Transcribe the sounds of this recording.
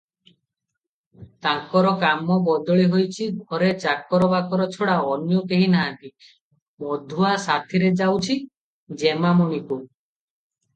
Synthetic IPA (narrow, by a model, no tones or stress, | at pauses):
t̪aŋkɔɾɔkamɔbɔd̪ɔɭiɦojt͡ʃʰidʱɔɾet͡ʃakɔɾɔbakɔɾɔt͡ʃʰɔɽaɔnjɔkeɦinaɦãnt̪i | mɔd̪ʱuasat̪ʰiɾed͡ʒawt͡ʃʰi | d͡ʒemamuɽ̃iku